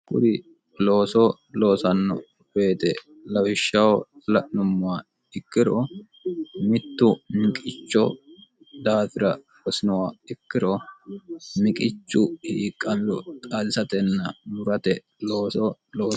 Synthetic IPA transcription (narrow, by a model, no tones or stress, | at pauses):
kʊ̰d̪ɪ | lo̞ːsɔ | lo̞ːsɐnːɔ̰ | b̥e̞ːt̪ɛ | lɐwɪʃːɐwɔlɐʔnʊmːʊa | ɪkːɪɾɔ | mɪt̪ːʊmɪkʼɪt͡ʃːɔ | d̪aːfɪɾɐ | bɔsɪnɔwaɪkːɪɾɔ | mɪkʼɪt͡ʃːʊhiːkʼːɐmɔt̪ʼalɪsɐt̪ɛnːɐmʊɾɐt̪ɛ | lo̞ːsɔlo̞ː